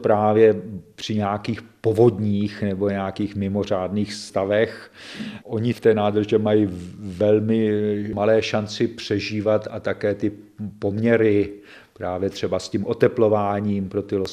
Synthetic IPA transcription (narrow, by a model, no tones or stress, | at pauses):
pɾaːvjɛpr̝̥ɪɲaːkiːxpo̞vo̞dɲiːxnɛbo̞ɲɛakiːxmɪmo̞r̝aːdniːxst̪avɛx | ʔo̞ɲɪft̪ɛːnaːd̪r̩ʒɛmajivɛlmɪmalɛːʃant͡sɪpr̝̥ɛʒiːvat̪at̪akɛːt̪ɪ | po̞mɲɛɾɪ | pɾaːvjɛt̪r̝̥ɛbascimʔo̞t̪ɛplo̞vaːɲiːmpɾo̞t̪ɪlo